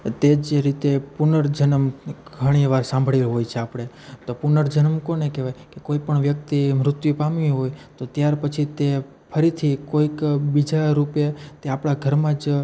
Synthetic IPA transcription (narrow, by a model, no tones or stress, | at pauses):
t̪ed͡ʒeɾit̪epunəɾd͡ʒənəmɡʱəɽ̃iʋaɾsãmbʱɭelɦojt͡ʃʰeapɽ̃e | t̪opunəɾd͡ʒənəmkonekeʋajkekoipəɳʋjək̚t̪imɾʊt̪jupamĩɦojt̪ot̪jaɾpət͡ʃʰit̪e | pʰəɾit̪ʰikoikbid͡ʒaɾupjat̪eapɽaɡʱəɾmãd͡ʒ